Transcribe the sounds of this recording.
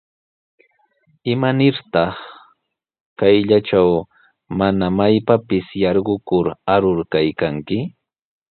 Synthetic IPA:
ɪmanɪɾt̪ɑχ | kajʎat͡ʃaw | manamajpapɪsjɑɾɢʊkʊɾaɾʊɾkajkaŋkɪ

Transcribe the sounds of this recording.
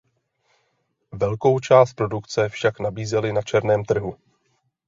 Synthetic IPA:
vɛlko̞wt͡ʃaːst̪pɾo̞dukt͡sɛfʃaknabiːzɛlɪnat͡ʃɛɾnɛːmt̪r̩ɦu

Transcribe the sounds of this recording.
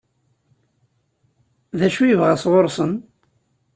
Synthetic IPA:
ðæʃujəvʁasʁoɾˤsˤən

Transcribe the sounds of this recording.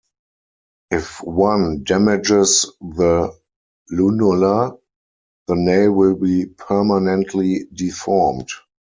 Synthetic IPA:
ʔɪfwãndæmɪd͡ʒɪsðə | lunula | ðəneɪwɪlbiːpʰɜ˞manɛ̃ntʰlidifɔːmt

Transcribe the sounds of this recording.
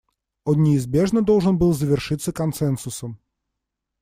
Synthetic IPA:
onnʲɪːzbʲeʐnəd̪olˠʐɨnbɨlˠzəvʲɪrʂɨt̪sːəkɐnsɛnsʊsəm

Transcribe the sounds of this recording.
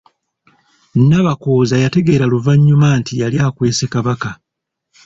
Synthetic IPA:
nnaβako̞ːzajate̞ɡe̞ːɾaluvaɲːumaːntijaljaːkwe̞ːse̞kaβaka

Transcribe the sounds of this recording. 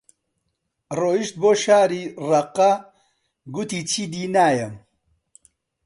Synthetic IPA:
roːiʃt̪̚boːʃaːɾirɐqːɐ | ɡut̪iːt͡ʃʰiːd̪iːnaːjɐm

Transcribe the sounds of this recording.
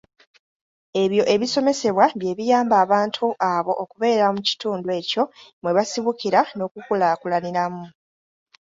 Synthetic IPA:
e̞βjo̞ʔe̞βiso̞me̞se̞βwaβje̞ːβijaːmbaːβaːntʰuʔaβo̞ʔːkuβe̞ːɾamuci̥tuːndwe̞ːco̞mwe̞βasiβukiɾano̞ːkukulakulaniɾamu

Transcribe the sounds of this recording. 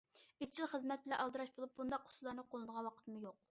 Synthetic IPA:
ist͡ʃʰilˠχəzmɛt̪̚bɪlɛnɑlˠd̪ɨɾɑʃbolˠup̚bund̪ɑqʰːʊ̥slˠɑɾnɨqʰolˠɨnəʁɑnwɑqʰə̥t̪ʰɨmujoq̚

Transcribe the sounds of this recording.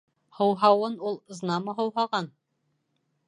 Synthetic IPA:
hɤ̆wɦɑwɤnulˠznɑmɤɦɤ̆wɦɑʁɑn

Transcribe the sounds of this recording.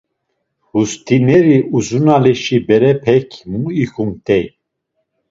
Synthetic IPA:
hust̪ʰinɛɾiʔuzunalɛʃibɛɾɛpʰɛkʰmuixumt̪ʼɛj

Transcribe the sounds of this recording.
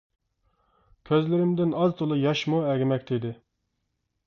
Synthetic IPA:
kʲʰøzlɪɾɪmd̪ɪnɑzt̪ʰolˠɨjɑʃmoɛɡʲɪmɛkʲt̪ʰɪd̪ɪ

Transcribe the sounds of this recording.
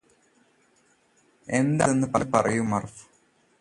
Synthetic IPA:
e̞nd̪ɐðenːɨpɐpɐrɐjumːɐrf

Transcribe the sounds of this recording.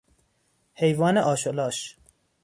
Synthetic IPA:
hejvɑːneʔɒːʃolɑːʃ

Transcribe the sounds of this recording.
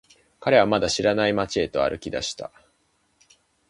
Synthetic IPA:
kaɾe̞βamad̪aɕiɾanaimat͡ɕiet̪o̞a̰ɾʔɯ̟kʲid̪a̰ɕi̥t̪a̰

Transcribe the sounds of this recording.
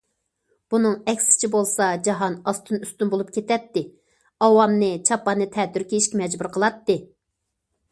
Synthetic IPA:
b̥unɨŋɛkʲsɪ̥t͡ʃʰibolˠsɑd͡ʒɑɦɑnɑst̪ʰɨnyst̪ynbolˠup̚kʲet̪ɛt̪ːɪ | ɑwɑmnɨt͡ʃʰɑpːɑnɨt̪ʰɛt̪yɾkʲiiʃkʲimɛd͡ʒbuɾqʰəlˠɑt̪ːɨ

